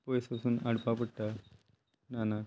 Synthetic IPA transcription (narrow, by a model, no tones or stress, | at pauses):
pojspasuːnaɽpapəɽʈ̪a | nana